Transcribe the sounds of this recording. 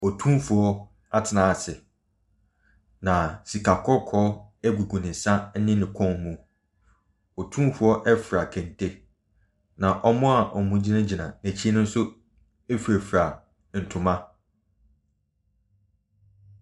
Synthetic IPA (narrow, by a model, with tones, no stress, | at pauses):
ɔ˨tʰũ˦fʊ˨ɔ˦ | a˦tʰɪ˨nã˨a˨sɪ˨ | nã˨si˨kʰa˨kʰɔ˦kʰɔ˦ɛ˦ɡu˨ɡũ˨nɪ̃˨n˨sã˦n̩˦nɪ̃˦nɪ̃˨kʰɔ̃˦mũ˦ | ɔ˨tʰũ˦fʊ˨˦ɔ˦ʔɛ˦fɾa˨kʰɛ̃˨n˨tʰe˦ | nã˨ʔɔ˨mʊ̃˦a˨ʔɔ˨mʊ̃˦d͡ʑi˦nã˦d͡ʑi˨nã˨næ̃˨t͡ɕʰi˦e˦nʊ̃˦n̩˦sʊ˦ | e˦fɾæ˨fɾa˨ | n̩˨tʰʊ̃˨mã˦